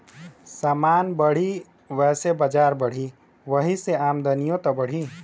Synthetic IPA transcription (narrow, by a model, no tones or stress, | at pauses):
saːmaːnbəɽ̤i | ʋɛsebəd͡ʒaːɾbəɽ̤i | ʋəɦiseaːmd̪ənijot̪ʌbəɽ̤i